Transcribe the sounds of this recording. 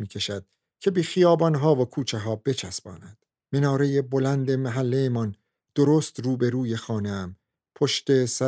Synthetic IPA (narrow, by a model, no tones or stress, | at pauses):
miːcʲʰe̞ʃæd̪̥̚ | cʰe̞bexijɒːbɒnɦɒːvokʰuːt͡ʃʰeɦɒːbe̞t͡ʃʰæsbɒ̰ːnæd̪̥ | menɒːɾe̞je̞bo̞lænd̪e̞mæɦælːejemɒn | d̪̥oɾoːst̪ruːbe̞ɾuːje̞xɒːne̞æm | pʰoʃt̪e̞sæ